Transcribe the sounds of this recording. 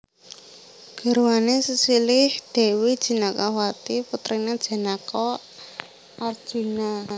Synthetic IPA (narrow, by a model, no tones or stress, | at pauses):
ɡ̥ə̤ɾuanesəsilɪhd̪̥e̤wid̥ʒ̥i̤nakahwat̪iput̪ɾinad̥ʒ̥a̤nakɔ | ʔard̥ʒ̥ṳna